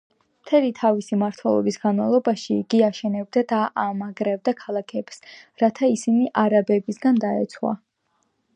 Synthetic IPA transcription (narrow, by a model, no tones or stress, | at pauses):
mt̪ʰɛlit̪ʰavisimaɾt̪ʰwɛlˠɔ̰bisɡanmavlˠɔbaʃiɡ̥iaʃɛnɛb̚d̪ad̪aʔamaɡɾɛbd̪akʰalˠakʰɛpsɾat̪ʰaisiniʔaɾabɛbisɡand̪aɛ̰t̪sʰχwa̰